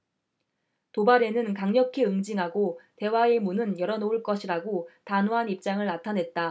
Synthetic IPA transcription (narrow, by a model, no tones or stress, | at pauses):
tobaɾe̞nɯnkaŋɲʌkʰiɯŋd͡ʑiŋɦaɡote̞wae̞munɯnjʌɾʌnouɭk͈ʌɕʰiɾaɡotanoɦanip̚t͡ɕ͈aŋɯɭnatʰanɦe̞t̚t͈a